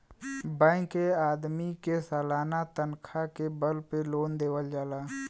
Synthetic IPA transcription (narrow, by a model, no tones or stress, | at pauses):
bɛ̃ːkeaːd̪mikesaːlaːnat̪ənkʰakebəlpeloːnd̪eːwəld͡ʒaːlaː